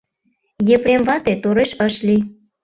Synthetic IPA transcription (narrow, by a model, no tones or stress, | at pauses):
jepɾemvɑt̪et̪oɾeʃəʃli